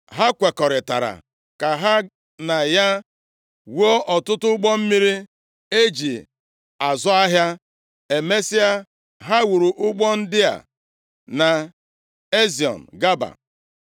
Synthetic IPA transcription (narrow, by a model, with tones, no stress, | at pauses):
ɦa˦kʷe˨kɔ˨ɾɪ˨ta̰˨ɾa̰˨ | ka˨ɦa˦ | na˨ja˦ | wo˦ʔɔ˨tʊ˦tʊ˦ɡ͡bɔ˦m̩˦mi˦ɾi˦ | e˦d͡ʒi˨ | a˨zʊ˦a˦ɦja˦ | e˨me˦si˦a˦ | ɦa˦wu˨ɾu˨ʔʊ˦ɡ͡bɔ˦n̩˦dɪ˦a̰˨ | na˨ | e˦zi˨ɔ̰˨n̩˨ɡa˦ba̰˨